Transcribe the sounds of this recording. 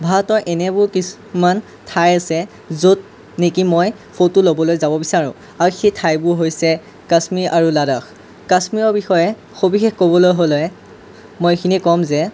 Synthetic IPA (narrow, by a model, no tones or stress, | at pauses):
bʱaɔtɔɹʔɛnɛbʊɹkis | man | tʰajasɛ | zot̚ | nekimɔj | fʰotulobɔlojzabɔbisaɹʊ̰̃ | aɹxetʰajbʊɹɦojsɛ | kasmiɹʔaɹuladax | kasmiɹɔɹbixɔjɛ | xobixexkobɔlojɦolɔj | mojkʰinikɔmzɛ